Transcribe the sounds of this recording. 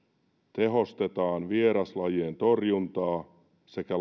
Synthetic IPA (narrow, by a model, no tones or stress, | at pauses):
t̪e̞ɦo̞st̪e̞t̪ɑːnʋieɾɑslɑjeːnt̪o̞rjunt̪ɑː | se̞kæ